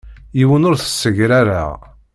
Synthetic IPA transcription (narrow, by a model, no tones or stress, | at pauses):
jiwənʊɾθə̥sːəʝɾaɾa̰